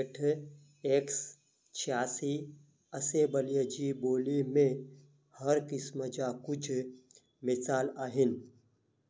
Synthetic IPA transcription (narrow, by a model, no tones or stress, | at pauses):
ʈʰ | eːks | t͡ʃʰjaːsi | əsebəlijad͡ʒiboːlimẽ | həɾkɪsməd͡ʒakʊt͡ʃʰ | mɪsaːlaːɦɪn